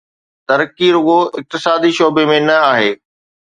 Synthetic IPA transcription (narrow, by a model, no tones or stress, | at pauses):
t̪ɐɾkːiːɾʊɦoɪk̚t̪ɪsaːd̪iʃoːbemẽnɐaːɦeː